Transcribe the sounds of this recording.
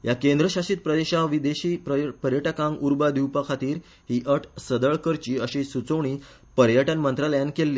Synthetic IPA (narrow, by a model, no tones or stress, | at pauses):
jakend̪ɾəɕaɕit̪̚pɾəd̪eɕaʋid̪eɕiːpəɾjəʈakãŋɡuɾbad̪iwpakʰat̪iːɾ | ɦiːʔəʈʰsəd̪əɭkəɾt͡ɕiːəɕisut͡səʋɳiː | pəɾjəʈənmənt̪ɾaləjankelːiː